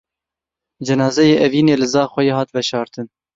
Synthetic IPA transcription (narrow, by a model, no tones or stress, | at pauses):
d͡ʒɛnɑːzɛjeːʔɛviːneːlɨzɑːxʷɛjeːhɑːt̪vɛʃɑːɾt̪ɨn